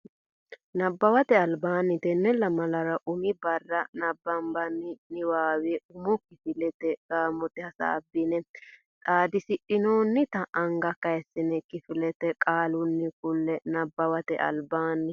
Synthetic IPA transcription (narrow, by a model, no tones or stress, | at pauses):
nɐbːɐwɐt̪ɛɐlbaːnːɪt̪ɛnːɛlːɐmɐlɐɾɐʔʊmɪbɐrːɐnɐbːɐmbɐnːɪnɪwaːwɪɛʊmʊkɪfɪlɛt̪ːɛɡ̥aːmɔt̪ɛhɐsa̰ːbːɪnɛ | t̪ʼaːd̪ɪsɪᶑɪnoːnːɪt̪ɐʔːŋɡɐkɐjɛsːɪnɛkɪfɪlɛt̪ɛkʼaːlʊnːɪkʊlːɛnɐbːɐwɐt̪ɛ̰ʔɐ̰lbaːnːɪ